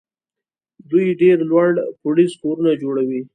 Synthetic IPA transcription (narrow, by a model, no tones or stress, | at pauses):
d̪ujɖeɾlwaɽpʊliskoɾunad͡ʒoɽawi